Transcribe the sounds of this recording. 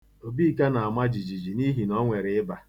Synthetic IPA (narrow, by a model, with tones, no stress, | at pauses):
o˨bi˦˨ka˦na˨a˨ma˦d͡ʒi˨d͡ʒi˨d͡ʒi˨ni˦ɦi˨nɔ˦ŋʷe˨ɾɪ˨ɪ˦ba˨